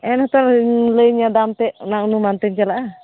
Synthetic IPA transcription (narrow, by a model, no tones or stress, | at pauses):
ɛnhɔt̪ɔɾləjɲad̪amt̪ɛnaʔnumant̪əɲt͡ʃalaʔa